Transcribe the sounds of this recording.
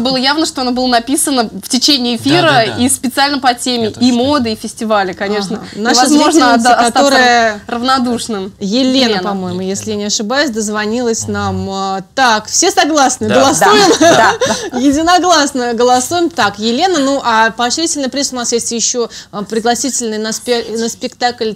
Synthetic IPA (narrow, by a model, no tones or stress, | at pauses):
bɨlˠəjavnəʂt̪oɐnobɨlˠənɐpʲisənəftʲɪt͡ɕenʲɪːfʲiɾəispʲɪt̪sɨalʲnəpɐtʲemʲɪimod̪ɨifʲɪsʲtʲɪvalʲɪkɐnʲeʂnənaʂvɐəzvoʐnəkɐt̪o̞ɾɨjərəvnɐd̪uʂnɨmjɪlʲe̞nənpɐmo̞jɪmʊjesʲlʲɪjanʲɪɐʂɨbajʊsʲd̪əzvɐnʲilˠəsʲnamt̪akfsʲe̞sɐɡlˠasnɨɡəlˠɐsujɪm | jɪdʲɪnɐɡlˠasnəɡəlˠɐsujɪmt̪akjɪlʲe̞nənuʔapəɐɕɾʲitʲɪlʲnɨpɾʲisʊnasjesʲtʲjɪɕːo̞pɾʲɪɡlˠɐsʲitʲɪlʲnɨjnəspʲnəspʲɪkt̪aklʲ